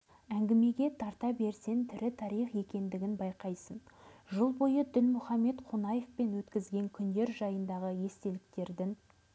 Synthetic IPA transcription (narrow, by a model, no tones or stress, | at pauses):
æŋɡʲɪme̞ɡʲe̞t̪ʰɑɾt̪ɑbe̞ɾse̞nt̪ʰʏɾɪt̪ʰɑɾijχje̞kʲe̞nd̪ɪɡʲɪnbɑjqɑjsənʒəlˠbo̞jəd̪ɪnmʊχɑmːe̞t̪qʰonɑje̞fpe̞nwɵt̪kʲɪzɡʲe̞ŋkʲʰʏnd̪e̞ɾʒɑjənd̪ɑʁəje̞st̪e̞lɪk̚t̪e̞ɾd̪ɪŋ